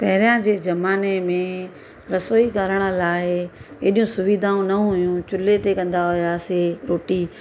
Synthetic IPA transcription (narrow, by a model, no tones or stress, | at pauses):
pɐɦɪɾjãd͡ʑeːd͡ʑɐmaːnemẽ | ɾɐsoːikɐɾəɽ̃ə̆laːɪeɗijũsʊʋiːd̪ʱaːũnɐũɦʊjũt͡ɕʊlet̪ekɐ̃nd̪aɦʊjaseɾoːʈi